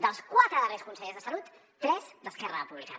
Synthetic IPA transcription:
d̪əlˠskwat̪ɾəðəreskunsəʎezðəsəlut̪ː | ɾɛzd̪əskɛrə̰puβlika̰

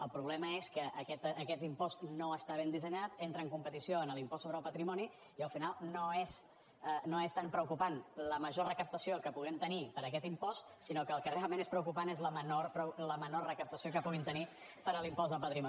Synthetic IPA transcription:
əlˠpɾuβlɛməeskəʔːkɛt̪ːkɛt̪impɔst̪noəst̪aβ̞end̪izəɲat̪ent̪ɾəːŋkumpət̪isioənəlimpɔstsoβɾəlˠpət̪ɾimɔni | iəlˠfinalˠnoes | ənoest̪ampɾəukupanləməʒorəkəp̚t̪əsiokəpuɣ̞ɛmt̪ənipəɾəkɛt̪impɔst̪sinokəːlˠkərealˠmẽnespɾəukupanezləmənorpɾələmənorrəkəp̚t̪əsiokəpuɣint̪əni | pəɾəlimpɔz̬ðəlˠpət̪ɾimɔ

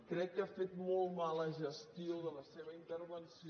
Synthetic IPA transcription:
kɾɛkkːəafet̪mɔlˠmaləʒəst̪ioðələseβəint̪əɾβənsi

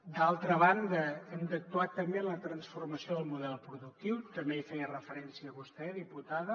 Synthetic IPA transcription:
d̪alˠt̪ɾəβand̪əənd̪ək̚t̪uat̪ːəmbenlət̪ɾənsfurməsioðəlˠmuðɛlˠpɾuðuk̚t̪iwt̪əmbeifɛjərəfəɾɛnsiəβust̪ɛðiput̪aðə

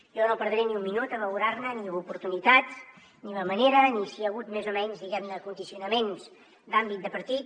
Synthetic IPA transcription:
ʒɔnopəɾðɾeniumminut̪əβəluɾaɾnəniupuɾt̪unit̪at̪ | niləməneɾənisiəɣut̪mezomɛɲzðiɣɛmnəkund̪isiunəmenz | d̪ambit̪̚d̪əpəɾt̪it̪̚

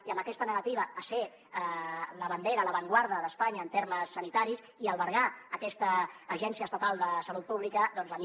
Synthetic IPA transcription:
iəmbəkɛst̪ənəɣət̪iβəːse | ləβənd̪eɾələβəŋɡwaɾðəðəspaɲəːnt̪eɾməsːənit̪aɾis | iəlˠβəɾɣaəkɛst̪əːʒɛnsiəst̪ət̪alˠd̪əsəlut̪̚puβlikəðɔnzəni

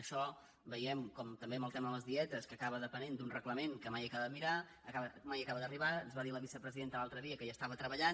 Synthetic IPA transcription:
əʃɔ | bəjɛmkɔmt̪əmbeməlˠt̪ɛmələzðiɛt̪əskəkaβəðəpənend̪unrəkləmeŋkəmajəkaβəðəmiɾa | əkaβəmajəkaβəd̪əriβaənzβaðiləβisəpɾəziðent̪əlalˠt̪ɾəðiəkəjast̪aβət̪ɾəβəʎan

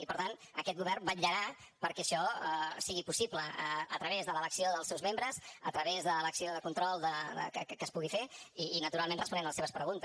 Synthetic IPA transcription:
ipəɾt̪anəkɛt̪̚ɣuβɛrmbaʎəɾa | pəɾkɛːʃɔɛsiɣipusipləəə̰t̪ɾəβezðələləksioðəlˠsɛwzmembɾəzə̰t̪ɾəβezðələksioðəkunt̪ɾɔlˠd̪əə̰kəkkəspuɣifeiːnət̪uɾalˠmenrəspunɛnləseβəspɾəɣunt̪ə

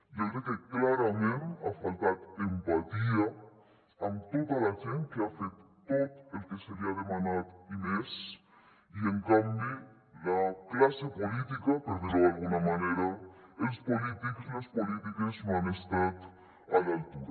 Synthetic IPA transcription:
okɾekeklaɾamẽnt̪afalt̪at̪empat̪ia | ant̪oðalaxenkeafet̪ | t̪ːot̪elkeseɾiaðemanat̪imes | ieŋkambi | laklasepolit̪ikapeɾðezealɣunamaneɾaespolit̪iksnospolit̪ikesnõanest̪at̪ | alalt̪uɾa

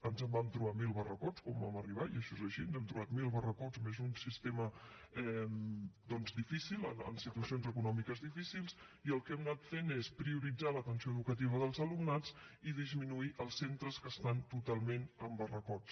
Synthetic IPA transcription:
ənzəmbamt̪ɾuβamilˠβərəkɔt͡skɔmba̰məriβ̞aiəʃɔezəʃiənzɛmt̪ɾuβat̪milˠβərəkɔt͡smezunsist̪emə | ɛmd̪ɔnzd̪ifisilˠə̰nə̰nsit̪uəsionzəkunɔmikəzðifisilˠs | iəlˠkɛmnat̪fenespɾiuɾid͡zalət̪ənsioəðukət̪̬iβ̞əðəlˠzəlumnat͡siðizminuiʔəlˠsːent̪ɾəskəst̪ant̪ut̪alˠmenəmbərəkɔt͡s

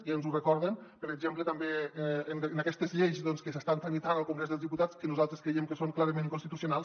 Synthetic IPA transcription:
iənzurekɔɾðənpəɾəɡʒemplət̪əmbeennakɛst̪əzʎejzðɔnskəs̬əst̪ant̪ɾəmit̪anəlˠkuŋɡɾezðəlzðiput̪at͡skənuzalˠt̪ɾeskɾejemkəsoŋklˠaɾəmẽnkunst̪it̪usjunalˠs

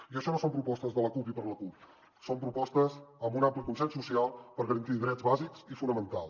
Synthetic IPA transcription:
iəʃɔnosompɾupɔst̪əzðələkupipəɾləkup | sompɾupɔst̪əzəmbunamplikunsɛnsusialˠpəɾɣəɾənt̪iðɾɛd͡zβaziksifunəmənt̪alˠ

